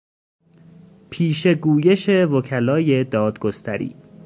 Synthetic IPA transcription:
pʰiːʃe̞ɡuːjeʃe̞vocʰælɒːje̞d̪ɒːd̪ɡost̪ʰæɾḭː

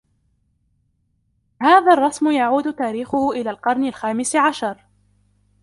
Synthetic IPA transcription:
haːðaːrˤːɑsmʊjaʕuːd̪ʊt̪aːɾiːxʊhʊʔɪlaːlqɑɾˤnalxaːmɪsʕaʃɑɾˤ

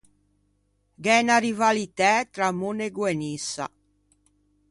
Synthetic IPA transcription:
ɡɛnaɾivalit̪ɛːt̪ɾamuneɡwɛnisːa̰

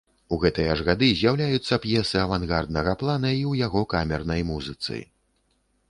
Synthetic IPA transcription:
uɣɛt̪ɐjɐɐʐɣad̪ɨzʲjawlʲajut̪sːɐpjɛsɨɐvanɣard̪̚nɐɣɐplˠanɐiwjaɣɔkamʲɛrnɐjmuzɨt̪sɨ̰

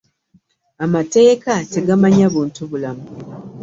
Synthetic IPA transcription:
amate̞ːkate̞ɡamaɲaβuːntuβulamu

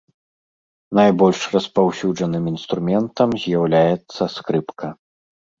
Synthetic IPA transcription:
najbɔlʲʂrɐspawsʲud͡ʐɐnɨminst̪ɾumʲɛnt̪ɐmzʲjawlʲajɛt̪sːɐskɾɨpkɐ

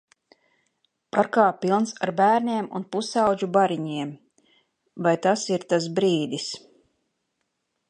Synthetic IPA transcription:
paɾkaːpilˠnsaɾbæːɾniɛmṵnpusɑwd͡ʒubaɾiɲiɛm | vajt̪asiɾt̪asbɾiːd̪is

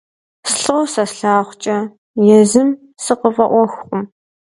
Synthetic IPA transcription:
sɬoːsɐsɬaːχʷt͡ʃʼɐ | jɛzɨm | sɨqəvɐʔʷɔxχʷʊm

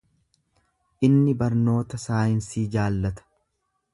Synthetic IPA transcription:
ʔɪnːɪbɐɾno̞ːt̪ɐsaːjɪnsiːd͡ʒaːlːɐt̪ɐ̥

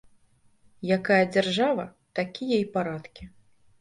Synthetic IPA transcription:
jakajɐd͡zʲarʐavɐ | t̪akʲijɛjpaɾat̪kʲi

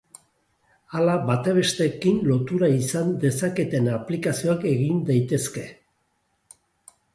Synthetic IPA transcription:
alaβat̪eβe̞st̪e̞kinlo̞t̪uɾaisand̪e̞sake̞t̪e̞naplikasio̞ake̞ɣind̪ajt̪e̞ske̞

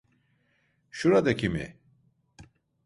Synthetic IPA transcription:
ʃuɾad̪ekʰimḭ

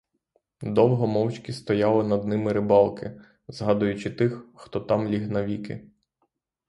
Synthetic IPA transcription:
d̪ɔwɦɔmɔwt͡ʃʲkʲist̪ɔjɑlˠɪnɐd̪nɪmɪɾɪbɑlˠkɪ | zɦɑd̪ʊjʊt͡ʃɪt̪ɪxxt̪ɔt̪ɑmlʲiɦnɐʋʲikɪ̰

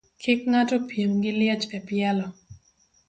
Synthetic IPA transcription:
kʰɪkŋatopjemɡɪlɪɛt͡ʃɛpjɛlɔ

